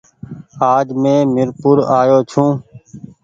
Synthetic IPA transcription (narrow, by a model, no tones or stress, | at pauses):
aːd͡ʒmẽːmɪɾpʊɾaːjoːt͡ʃʰũː